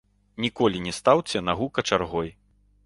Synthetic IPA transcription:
nʲikɔlʲinʲɛst̪awt͡sʲɐnaɣukɐt͡ʂarɣɔj

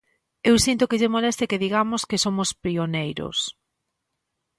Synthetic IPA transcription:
ewsint̪ʊkɪʝemolɛst̪ɪkɪðiɣamʊskesomʊspɾionejɾo̰s

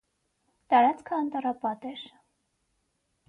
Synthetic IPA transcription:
t̪ɑɾɑt͡skʰəɑnt̪ɑrɑpɑt̪ɛɾ

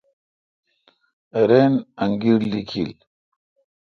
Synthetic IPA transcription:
eɾenaŋɡiɾlikʰḭl

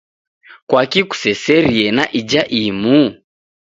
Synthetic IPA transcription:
kwakiku̥sɛsɛɾiɛnaʔid͡ʒaʔimu

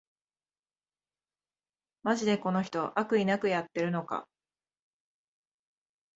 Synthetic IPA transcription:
maʑid̪e̞ko̞no̞çi̥t̪o̞ʔakɯ̟inakɯ̟jat̪ːe̞ɾɯ̟no̞ka̰

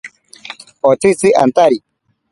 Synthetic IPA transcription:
ɔt͡sit͡siʔa̰nt̪aɾi

